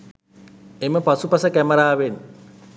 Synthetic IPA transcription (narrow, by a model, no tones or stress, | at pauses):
emɛpat͡supasɛkɛmaɾaβeni